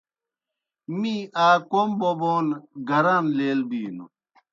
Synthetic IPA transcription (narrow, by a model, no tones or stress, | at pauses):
miaːkomboboːnɡɐɾanleːlbiːnṵ